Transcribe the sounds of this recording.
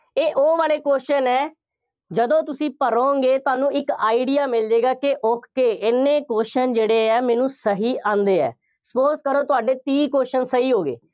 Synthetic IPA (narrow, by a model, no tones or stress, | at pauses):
eːʔoːʋaːleːkoːʃənɛː | d͡ʒəd̪õːt̪ʊsĩːpəɾoːɡeːt̪oaːnũːɪkaːiɖijaːmɪld͡ʒeːɡaːkɪʔoːkʰːeːʔɪnːẽːkoːʃənd͡ʒeːɽeːɛːmɛ̃ːnũːsəɦiːʔãːnd̪eːɛ̰ː | sə̥poːskəɾõːt̪ʊaːɖeːt̪iːkoːʃənsəɦiːɦoːɡḛː